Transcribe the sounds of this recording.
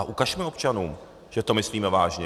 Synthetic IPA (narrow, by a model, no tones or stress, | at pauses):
aʔukaʃmɛo̞pt͡ʃanuːm | ʒ̥ɛt̪o̞mɪsliːmɛvaːʒɲɛ